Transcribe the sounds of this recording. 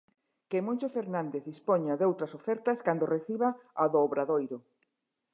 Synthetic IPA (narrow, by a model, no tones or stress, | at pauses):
kemõnʃofeɾnãnd̪eθðispoɲaðowt̪ɾɐsofɛɾt̪ɐskand̪oreθiβaaðoːβɾaðojɾʊ